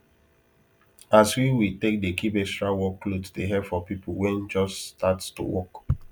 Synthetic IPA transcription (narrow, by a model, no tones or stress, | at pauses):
aswiwitek̚dekibɛstɹawɔkːlodsdeɦɛpfɔpipowɛ̃nd͡ʒɔsstatsto̰wɔk